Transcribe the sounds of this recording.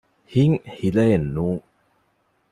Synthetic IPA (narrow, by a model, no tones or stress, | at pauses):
hiŋhilenːuŋ